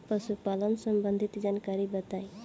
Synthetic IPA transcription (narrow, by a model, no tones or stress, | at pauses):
pɾəsupalənsəmbənd̪ʱit̪d͡ʒankaɾibət̪aj